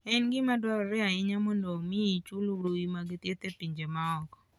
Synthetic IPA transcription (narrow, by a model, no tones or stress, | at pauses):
ɛnɡɪmadwɔɾɔɾɛaɪɲamɔndomiit͡ʃuloɾoimaɡɪt̪jet̪epiɲd͡ʒemaɔkɔ̥